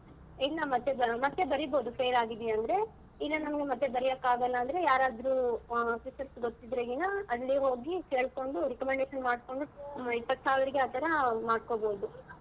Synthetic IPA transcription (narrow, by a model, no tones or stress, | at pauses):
ilːɐmɐt̪ːemɐt̪ːebɐɾiboːd̪upʰeːɾaːɡid̪ɐnd̪ɐɾe̞ | ilːɐnɐmɐɡemɐt̪ːebɐɾijɐkaːɡɐlːɐːnd̪ɾe̞jaːɾaːd̪ɾuːsisɐsɡot̪ːid̪ɾeɡinɐɐlːiɦo̞ːɡike̞ːɭko̞ɳɖuɾikɐmeɳɖeːʃɐnmaːɖko̞ɳɖuipːɐt̪ːsaːʋiɾiɡeaːt̪ʰɐɾɐmaːɖ̚koboːd̪u